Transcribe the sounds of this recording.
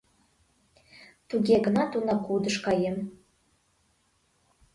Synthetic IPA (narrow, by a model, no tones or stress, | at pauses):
t̪uɡʲeɡə̆nɑt̪unɑkud̪əʃkɑjem